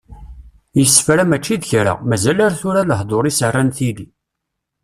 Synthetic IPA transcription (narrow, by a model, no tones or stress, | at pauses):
jəsːfɾamæt͡ʃːiðçɾa̰mæzælaɾθʊɾaləhd̪ˤoɾˤisərːanθili